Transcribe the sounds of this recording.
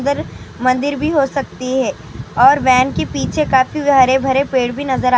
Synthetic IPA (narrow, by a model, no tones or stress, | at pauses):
d̪əɾ | mɐ̃nd̪ɪɾbʱiɦosɐkt̪iɦɛː | ɔːɾʋɛːnkepiːt͡ʃʰekaːfibɦɐɾebʱɐɾepeːɽbʱinɐzəɾa